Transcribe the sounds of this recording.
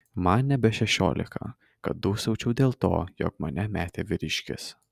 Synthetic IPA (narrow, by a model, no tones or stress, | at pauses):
mɐnnʲɛbʲɛʃʲɛʃʲo̰ːlʲɪ̰kʰɐ̰ | kɐt̪̚d̪uːsɐʊt͡ʃʲɛʊd̪ʲeːlˠt̪o̰ːjo̰ːkmɐnʲɛmʲæːt̪ʲeːʋʲɪɾʲɪʃʲkʲɪ̰s